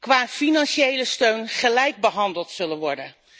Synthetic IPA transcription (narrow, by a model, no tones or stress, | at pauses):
kʋaːfinɑnʃejləstøɥnχəlɛjɡ̚bəɦɑndəlˠtsɵlənʋɔɹdən